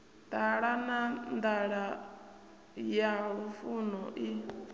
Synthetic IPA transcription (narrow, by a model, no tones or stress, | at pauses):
t̪aɺanand̪aɺa | jaɺufunɔʔi